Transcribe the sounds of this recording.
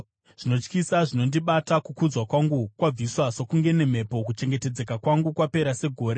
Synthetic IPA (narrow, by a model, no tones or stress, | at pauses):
ʐ̥ino̞t͡ʃkisaʐino̞ndiɓatakukud͡zwakwaŋɡukwab͡viswaso̞kuŋɡe̞ne̞m̤e̞po̞kut͡ʃe̞ŋɡe̞te̞d͡ze̞kakwaŋɡukwape̞ɾase̞ɡʱo̞ːɾe